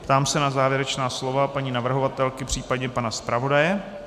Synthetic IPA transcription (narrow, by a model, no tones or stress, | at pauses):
pt̪aːmsɛnazaːvjɛɾɛt͡ʃnaːslo̞vapaɲiːnavr̩ɦovat̪ɛlkɪpr̥iːpadɲɛpanaspɾʔavo̞dajɛ